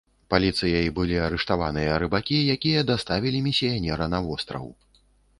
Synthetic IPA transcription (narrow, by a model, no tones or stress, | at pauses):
palʲit̪sɨjɐjbɨlʲiaɾɨʂt̪ava̰nɨjɐɾɨbakʲijakʲijɐd̪ast̪avʲilʲimʲisʲijanʲɛɾɐnɐvɔst̪ɾɐ̰w